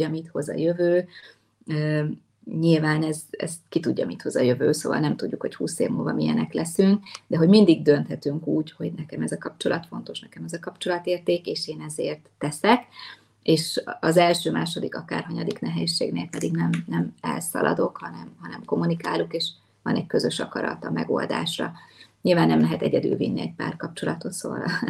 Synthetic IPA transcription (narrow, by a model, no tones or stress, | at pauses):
ɒmit̪ho̞zɒ̰jøvøː | ø | ɲilvaːnɛzɛ̰skit̪uɟːɒmit̪ho̞zɒjøvøːsoːvɒ̰lnɛmt̪udɟːukho̞chṵːsḛːvmuːlvɒ̰mijɛnɛklɛsyŋkd̪ɛɦo̞ɟmind̪iɡ̚d̪ø̞nt̪hɛt̪yŋkuːcho̞ɟnɛkɛmɛzɒkɒp̚t͡ʃo̞lʔɒt̪fo̞nt̪o̞ʃnɛkɛmɛzɒkɒpt͡ʃo̞lɒt̪eːrt̪eːkeːʃeːnɛzeːrt̪ːɛsɛk | eːʃɒzɛlʃøːmaːʃod̪ikɒkaːrɦɒɲɒd̪iknɛɦɛːʃːḛːɡneːlpɛd̪iɡnɛmnɛmɛ̰lsɒ̰lʔɒ̰d̪o̞khɒnɛmɦɒnɛmko̞mːunikaːlukeːʃ | vɒnɛckøzø̞ʃɒkɒɾɒ̰t̪ɒmɛɡo̞ːld̪a̰ːʃrɒɲilvaːnːɛmlɛɦɛt̪ɛɟɛd̪y̰lvinːiɛc̚pa̰ːrkɒp̚t͡ʃo̞lɒt̪ʰo̞t̪soːl